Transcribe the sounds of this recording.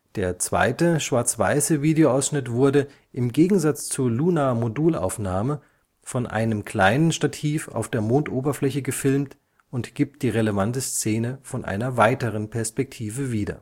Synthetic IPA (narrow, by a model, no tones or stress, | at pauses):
d̥eːɐt͡sv̥a̰ɪtəʃv̥aɐt͡sv̥a̰ɪsəviːdeoʔaʊsʃnɪtv̥ʊɐdə | ʔɪmɡeːɡŋ̩zat͡st͡suɐluːnamoduːlʔa̰ʊfnaːmə | fɔnʔa̰ɪnəmkʰl̥aɪnənʃtatʰiːfa̰ʊfd̥eːɐmoːntʔoːbɐflɛçəɡəfɪlmt | ʊntɡ̥iːp̚t̚d̥iːʁeləvantəst͡seːnəfɔnʔa̰ɪnɐvaɪtəʁənpʰɛɐspɛk̚tʰiːvəviːdɐ̰